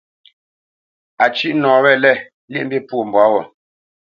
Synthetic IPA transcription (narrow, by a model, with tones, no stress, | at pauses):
a˨t͡ʃi˦ʔnɔ̃ː˨βɛ˦˨lɛ˦˨ | li˦ʔm̩˦bi˦pwo˦˨m˨bwa˨˦wɔ˨